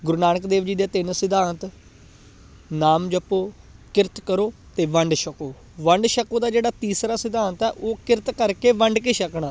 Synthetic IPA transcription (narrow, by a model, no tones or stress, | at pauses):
ɡʊɾnaːnəkd̪eːʋd͡ʒiːd̪eːt̪ɪnsɪd̪aːnt̪ | naːmd͡ʒəpːoː | kɪɾt̪kəɾoːt̪eːʋəɳɖʃəkoː | ʋəɳɖʃəkoːd̪aːd͡ʒeːɽaːt̪iːsɾaːsɪd̪aːnt̪ɛːʔoːkɪɾt̪kəɾkeːʋəɳɖkeːʃəkɳaː